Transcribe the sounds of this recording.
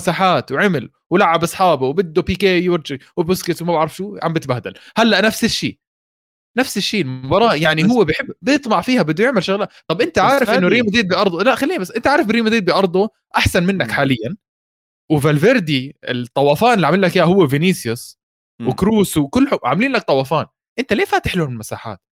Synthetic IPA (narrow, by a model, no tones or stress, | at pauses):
saːħaːt̪wʕɪmɪl | wɪlaʕabʔɑsˤħɑːbawbɪd̪ːupiːkeːjwɪɾˤd͡ʒɪwɪbʊskɪswmabaʕɾɑfʃuːʕa̰mbɪt̪bahd̪a̰lhalːaʔnafsɪʃːiːʔ | nafsɪʃːiːɪlmʊbɑɾˤɑːʔjaʕnihʊwːabjħɪbːbɨt̪ˤmɑʕfiːhabɪd̪ːʊjɪʕmɪlʃʊɣlaːt̪ˤɑbʔɪnt̪aʕaːɾɪfʔɪnːʊɾiːmd̪iːd̪̚biʔɑɾˤd̪ˤlaʔxalːiːnabasːʔɪnt̪aʕaːɾɪfbɾiːmd̪iːd̪̚bɪʔɑɾˤd̪ˤu | ʔaħsanmɪnːakħaːlɪjːan | wɪvalveɾd̪iɪ̰t̪ˤːɑwɑːfaːnɪlːʕamɪlːakjaːhʊwːavɪniːsjʊs | wɪkɾuːswkʊlːħʊʕa̰mliːnlak̚t̪ˤɑwɑːfaːn | ʔɪnt̪aleːfaːt̪ɪ̥ħlʊhamɪlmasa̰ːħa̰ːt̪̚